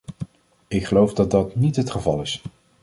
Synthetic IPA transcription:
ɪkχəlowfdɑt̚dɑtnitɦətχəvɑlˠɪs

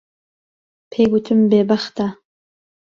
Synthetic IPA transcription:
pʰeɡut̪ʰɨmbebaχt̪a

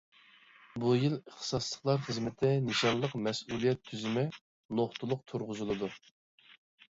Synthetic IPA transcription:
bujiləχt̪ʰɨ̥sɑslˠəχlˠɑɾχəzmɪt̪ʰɪnɨʃɑnlˠəqmɛsulˠijɛt̪ʰːyzɪmɪ | noχt̪ʰulˠʊq̚t̪ʰuɾʁʊzɨlˠɨd̪u

